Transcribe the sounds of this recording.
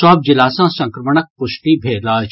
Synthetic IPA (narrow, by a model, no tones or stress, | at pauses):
ɔːb̚d͡ʒɪlaːsãːsɐ̃ŋkɾəməɳək̚pʊʃʈibʱeːɾlaːt͡ʃ